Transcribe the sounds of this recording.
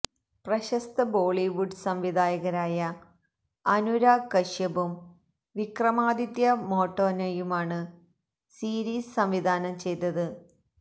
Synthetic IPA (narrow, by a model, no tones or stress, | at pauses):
prɐɕɐst̪ɐboːɭiʋuɖsɐmʋid̪ʱaːjɐɣɐɾaːjɐ | ɐnuɾaːkɐɕjɐbum | ʋikrɐmaːd̪it̪jɐmo̞ːʈːo̞ːnɐjumaːɳɨ | siːɾiːssɐmʋid̪ʱaːnɐmt͡ɕe̞jt̪ːɐðɨ